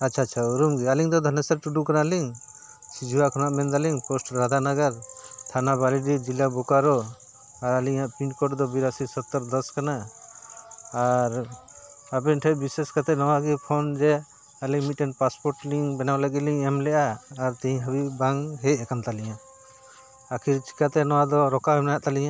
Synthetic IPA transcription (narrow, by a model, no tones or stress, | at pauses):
at͡ʃʰaːt͡ʃʰauɾumɡialiŋd̪ɔd̪ʱɔnɛsɛɾʈuɖukanaliŋ | sid͡ʒʱuwakʰɔnaʔmɛnd̪aliŋpɔsʈɾad̪ʱanaɡaɾt̪ʰanabaliɖid͡ʒilabɔkaɾɔ | aɾaliŋaʔpiɳʈkɔʈd̪ɔbiɾasisɔt̪ːəɾd̪ɔskana | ɾ | abɛnʈʰɛbiseskat̪ɛnɔwaɡipʰɔnd͡ʒɛ | aliŋmiʈɛnpaspɔɾʈliŋbɛnawləɡit̪liŋɛmlɛʔaːɾt̪ɛĩɦəbibaŋɦɛc̚ɛkant̪aliɲa | akʰiɾt͡ʃi̥kat̪ɛnɔwad̪ɔɾɔkaɛmnɛjaʔt̪aliɲaʔ